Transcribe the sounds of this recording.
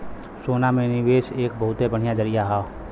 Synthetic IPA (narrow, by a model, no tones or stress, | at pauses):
soːnamẽnɪʋeːʃeːk̚bɐɦʊt̪ebəɽ̤ɪjad͡ʒəɾɪjaɦaː